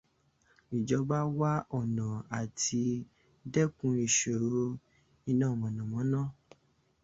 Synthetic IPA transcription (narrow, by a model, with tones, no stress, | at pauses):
i˨d͡ʒɔ˧ba˦wa˦ɔ˦˨nã˨a˨tʰi˧ | dɛ˦kũ˧˦i˦˨ʃo˨ɾo˧˦ | i˧nãː˦˨wɔ̃˨nã˨mɔ̃˨˦nã˦˨